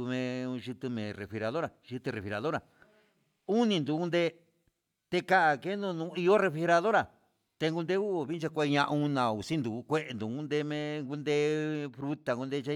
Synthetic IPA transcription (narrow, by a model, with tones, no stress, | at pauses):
u˧mẽ˧u˧ʒi˧t̪ɨ˧mẽ˨re˨fi˧ɾa˧ðo˦ɾa˨ʒi˧t̪ɨ˧re˨fi˧ɾa˨ðo˦ɾa˨ | u˦nĩ˧nd̪u˨˧ku˦nd̪e˦ | t̪e˧ka˦ʔa˨ke˦nũ˧nũː˧˦i˧jo˦re˧fi˧e˧ɾa˧ðo˦ɾa˨ | t̪e˧ŋɡu˧nd̪e˦u˦˨βi˦nt͡ʃa˧kʷe˧ɲã˧ʔũ˦nã˨u˨si˦nd̪u˨˧kʷe˦ʔe˧nd̪u˨ũ˦nd̪e˧mẽ˧ŋɡu˦nd̪e˦fɾu˦t̪a˨ŋɡu˧nd̪e˧t͡ʃa˦